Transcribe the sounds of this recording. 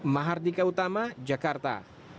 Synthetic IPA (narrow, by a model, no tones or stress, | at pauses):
maɦard̪ikaut̪amad͡ʒakart̪a̰